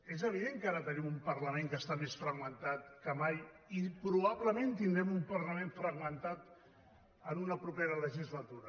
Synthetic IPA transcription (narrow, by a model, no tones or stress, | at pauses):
ezəβ̞iðeŋkaɾət̪ənimumpəɾləmeŋkəst̪amesfɾəɣmənt̪at̪kəmaj | ipɾuβ̞aβləment̪ind̪ɾɛmumpəɾləmeɱfɾəɣmənt̪at̪ | ənunəpɾupeɾələʒizlət̪uɾə